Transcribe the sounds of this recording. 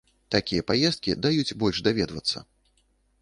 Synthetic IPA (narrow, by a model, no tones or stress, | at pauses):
t̪akʲijɛpajɛst̪̚kʲid̪ajut͡sʲbɔlʲʐd̪avʲɛd̪vɐ̰t̪sːɐ̰